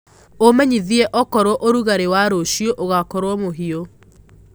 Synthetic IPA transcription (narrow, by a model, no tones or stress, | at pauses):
omɛɲiðiɛʔɔkɔɾwɔʔoɾuɣaɾewaɾoʃioʔoɣakɔɾwɔmoɦio